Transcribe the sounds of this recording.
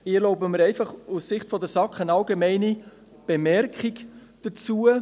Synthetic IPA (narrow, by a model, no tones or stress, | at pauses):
ɪloʊbəməɾɛɪfɑχussɪχtfɔdəɾsɑkχənɑlɡemɛɪni | b̥emɛɾkχik | d̥ət͡suə